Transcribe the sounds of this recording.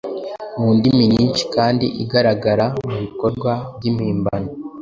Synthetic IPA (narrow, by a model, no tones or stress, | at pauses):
muːndimiɲiːnt͡ʃi̥kaːndḭʔiɡaɾaɡaɾamuβiko̞ɾɡwaβɟimiːmbano